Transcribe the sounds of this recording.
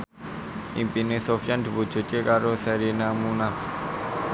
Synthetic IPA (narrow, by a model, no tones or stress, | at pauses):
ʔimpinesofijand̪̥i̤bud̥ʒ̥o̤t͡ʃekaɾosɛɾinamunaf